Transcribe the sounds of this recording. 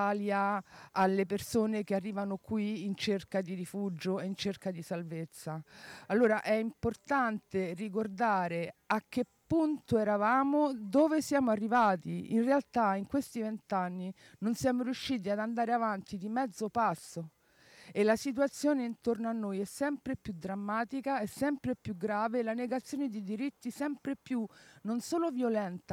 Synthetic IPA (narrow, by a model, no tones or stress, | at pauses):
aljaalːepersoːnekearːiːvanokwiːnt͡ʃerkad̪iɾifud͡ʒoeint͡ʃerkad̪isalvet̪sːaalːoːɾaʔɛimport̪ant̪erik̬ord̪aːɾeak̟ːepːunt̪oɛɾavaːmod̪oːvesjaːmoarːivaːt̪iinrealt̪aiŋkwest̪ivent̪anːi | nonsjaːmoɾiuʃːiːt̪̬iad̪and̪aːɾeavant̪id̪imɛd̪zːopasːo | elːasit̪̬uat̪sːjoːneint̪ornoanːojɛsːɛmpɾepjud̪ɾamːaːt̪ikaɛsːɛmpɾepjuɡɾaːvelaneɡat̪sːjoːned̪id̪iɾit̪ːisɛmpɾepjunonsoːlovjolɛnt̪a